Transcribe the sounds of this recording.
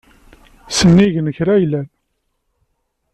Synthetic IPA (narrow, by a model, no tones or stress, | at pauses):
sənːiʝnəçɾæjlæn